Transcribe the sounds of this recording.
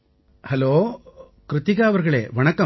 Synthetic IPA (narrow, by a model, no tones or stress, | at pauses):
hɐloː | kɾɪt̪iɡaːɐʋɐɾɡɐɭeːʋɐɳɐkɐ